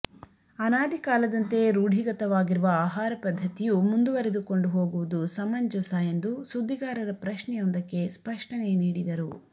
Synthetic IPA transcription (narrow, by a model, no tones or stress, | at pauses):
ɐnaːd̪ʱikaːlɐd̪ɐnt̪e̞ɾuːɽʱiɡɐt̪ɐʋaːɡiɾuʋɐaːɦaːɾɐpɐd̪ʱːɐt̪ijumund̪uʋɐɾed̪uko̞ɳɖuɦo̞ːɡuʋud̪usɐmɐɲd͡ʒɐsajend̪usud̪ʱːiɡaːɾɐɾɐpɾɐʃɳɛjond̪ɐkːe̞spɐʂʈɐneniːɽid̪ɐɾu